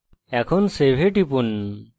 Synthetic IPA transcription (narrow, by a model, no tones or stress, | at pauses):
ɛkʰɔnsebʱeʈipun